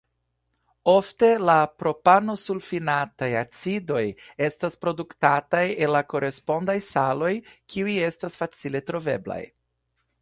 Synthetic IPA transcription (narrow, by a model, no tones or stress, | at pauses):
o̞fte̞lapɾo̞pano̞sulfinatajat͡sido̞je̞staspɾo̞duktatajenlako̞ɾe̞spo̞ndajsalo̞jkiuje̞stasfat͡sile̞tɾo̞ve̞̰bla̰j